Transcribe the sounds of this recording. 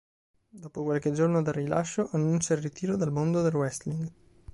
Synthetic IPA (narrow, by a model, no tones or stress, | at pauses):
d̪oːpokwalked͡ʒornod̪arːila̰ʃːoʔanːunt͡ʃairrit̪iːɾod̪almond̪od̪elwɛst̪liŋɡ